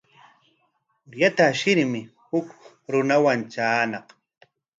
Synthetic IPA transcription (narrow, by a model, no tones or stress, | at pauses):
ʊɾjat̪aʃɪɾmɪhʊk | ɾʊnawant͡ʃaːnɑq